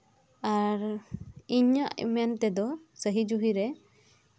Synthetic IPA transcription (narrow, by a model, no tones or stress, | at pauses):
aɾiɲaʔmɛnt̪ɛd̪ɔsəɦid͡ʒuɦiɾɛ